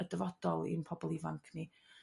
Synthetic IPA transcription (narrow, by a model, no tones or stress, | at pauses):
ədəvɔd̥ɔlˠḭnpʰɔbɔlˠivaŋkʰni